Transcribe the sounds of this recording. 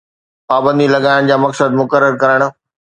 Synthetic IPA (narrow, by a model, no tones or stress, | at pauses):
paːbə̃nd̪ilɐɡaːɪɽ̃d͡ʑaːmɐksəd̪mʊkəɾːəɾkɐɾəɽ̃̆